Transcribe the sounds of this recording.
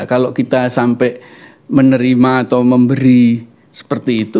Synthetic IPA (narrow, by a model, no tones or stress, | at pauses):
kalokit̪asampɛʔ | mənəɾimaːt̪awməmbəɾi | sə̥pərt̪iːt̪u